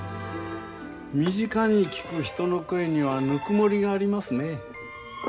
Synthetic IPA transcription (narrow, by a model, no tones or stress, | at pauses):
mʲiʑikaɲ̟ikʲi̥kɯ̟çi̥t̪o̞no̞kɯe̞ɲ̟iβanɯkɯmo̞ɾʲiɡaːɾʲimasɨne̞